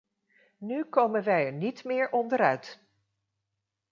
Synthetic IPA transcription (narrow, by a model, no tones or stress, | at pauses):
nykowmənʋɛjɛɹnitmɪːɹʔɔndəɾœɥt